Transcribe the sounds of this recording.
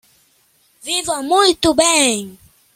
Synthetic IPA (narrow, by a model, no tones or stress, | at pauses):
vivamuitubɛŋi